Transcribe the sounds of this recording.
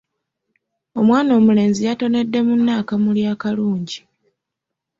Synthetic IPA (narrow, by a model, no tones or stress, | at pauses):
o̞mwaːno̞ːmule̞ːnzijato̞ne̞dːe̞munːaːkamuljaːkaluːɲɟi